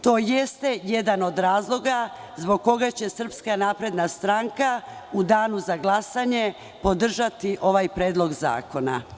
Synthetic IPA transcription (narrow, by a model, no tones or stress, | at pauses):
t̪o̞ːjest̪e̞jed̪ano̞d̪ɾaːzlˠo̞ɡa | zbo̞ɡ̚ko̞ɡat͡ɕe̞sr̩pskanaːpɾe̞d̪nast̪ɾaŋkaud̪aːnuzaɡlˠasaɲe̞ | po̞d̪r̩ʒat̪iʔo̞ʋajpɾeːd̪lˠo̞ɡza̰ːko̞na̰